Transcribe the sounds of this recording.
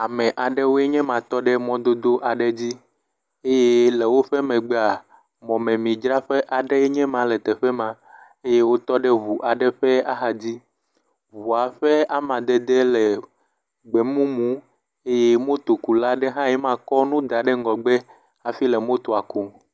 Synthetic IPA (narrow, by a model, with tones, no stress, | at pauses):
a˨mɛ̃˨ʔa˨ɖɛ˦wo˦e˦ɲɛ̃˦mã˨t̪ɔ˦ɖɛ˦mɔ̃˦d̪o˦d̪o˦ʔa˨ɖɛ˦d͡ʑi˦ | e˦je˦lɛ˨wo˦ɸɛ˦mɛ̃˨ɡ͡be˦a˨ | mɔ̃˨mɛ̃˨mĩ˨d͡ʒɾa˦ɸɛ˦ʔa˨ɖɛ˦ɛ˦ɲɛ̃˦mã˨lɛ˨t̪ɛ˨ɸɛ˦mã˨ | e˦je˦wo˦t̪ɔ˦ɖɛ˦βu˨ʔa˨ɖɛ˦ɸɛ˦a˦ɦa˨d͡ʑi˦ | vu˨a˨ɸɛ˦a˨mã˨d̪ɛ˨d̪ɛ˦lɛ˨ | ɡ͡bɛ˨mũ˦mũ˦ | e˦je˦mõ˦t̪o˨ku˨la˦ɖɛ˦ɦã˦jɛ˦mã˦kɔ˦nũ˦d̪a˨ɖɛ˦ŋ˦ɡɔ˨ɡ͡bɛ˦ | a˨fi˦lɛ˨mõ˦t̪o˨a˨ku˨